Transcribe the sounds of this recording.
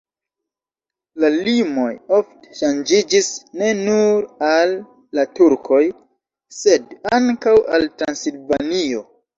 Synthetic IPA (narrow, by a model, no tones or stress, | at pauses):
lalimo̞jo̞fte̥ʃand͡ʒid͡ʒisne̞nuɾalː | atuɾkʰo̞j | se̞daŋkawaltɾansilvanio̞